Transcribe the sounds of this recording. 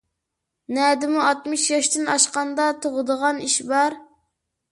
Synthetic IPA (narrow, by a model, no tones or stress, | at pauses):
nɛd̪ɪmuɑt̪mɨʃjɑʃt̪ɪnɑʃqɑnd̪ɑt̪ʰoʁəd̪əʁɑniʃbɑɾ